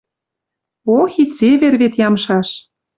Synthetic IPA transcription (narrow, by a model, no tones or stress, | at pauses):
oxit͡seβerβet̪jɑmʃɑʃ